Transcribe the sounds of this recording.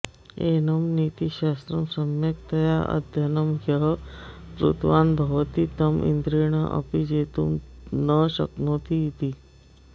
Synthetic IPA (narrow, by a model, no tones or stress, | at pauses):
enəmnit̪iɕast̪ɾɐmsəmjekt̪ɐjaʔə̰d̪ʱjɐnəmɡʱjəɦpɾṵt̪ʰʋanbʱɐʋt̪it̪ɐmḭnd̪ɾiːɳ̃əʔɐ̰pid͡ʑet̪uːmnəɕə̰knot̪iit̪iː